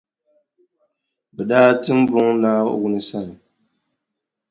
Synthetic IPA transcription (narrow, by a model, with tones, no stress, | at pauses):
bɛ˨daː˦tɨ˦m̩˦bɔ˦ŋnaː˦wu˦nɨ˨sa˦˨lɨ˨